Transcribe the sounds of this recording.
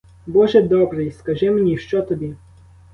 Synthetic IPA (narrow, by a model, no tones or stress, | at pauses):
bɔʒɛd̪ɔbɾɪjskɐʒɛmnʲiʃt͡ʃɔt̪ɔbʲi